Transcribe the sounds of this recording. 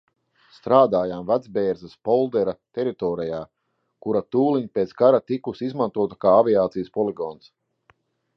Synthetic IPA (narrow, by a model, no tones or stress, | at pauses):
st̪ɾaːd̪aːjaːmvad̪zbeːɾzaspɔlˠd̪ɛɾat̪ɛɾit̪ɔːɾijaː | kuɾat̪uːliɲipʲet̪sɡaɾat̪ikusizmant̪uɔt̪akaːaviaːt̪sijəspɔliɡɔːns